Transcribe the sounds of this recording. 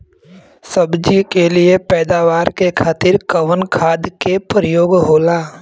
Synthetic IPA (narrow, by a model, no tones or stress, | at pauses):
səbd͡ʒikelɪepɛːd̪aːʋaːɾkekʰaːt̪ɪɾkəʋənkʰaːd̪kepɾəjoːɡɦoːlaː